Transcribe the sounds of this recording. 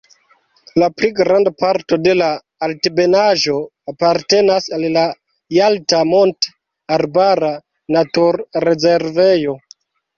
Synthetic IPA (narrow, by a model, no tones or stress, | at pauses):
lapliɡɾandapaɾto̞de̞laː | ltbe̞naʒo̞ | apaɾte̞nasalla | jaltamo̞nt | aɾbaɾa | natuɾːe̞ze̞ɾve̞jo̞